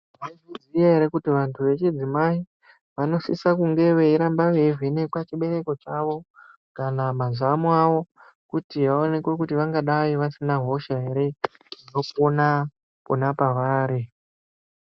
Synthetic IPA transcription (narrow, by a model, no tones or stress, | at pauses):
ʋaiziijaɦe̞ɾe̞kutiʋantʰuʋe̞t͡ʃid͡zimai | ʋano̞sḭsakuŋɡe̞ʋe̞iɾambaʋevinekwat͡ʃiɓe̞ɾe̞ko̞t͡ʃaʋo̞ | kanamazamwaʋo̞ | kutiʋaone̞kwe̞kutiʋaŋɡaɗaʋiʋasinaɦo̞ʃaɦe̞ɾe̞ | no̞kona | ponapaʋaːɾi